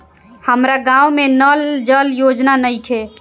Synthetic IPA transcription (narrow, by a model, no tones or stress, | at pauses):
həmɾaɡãumenəld͡ʒəljod͡ʒnanəjkʰe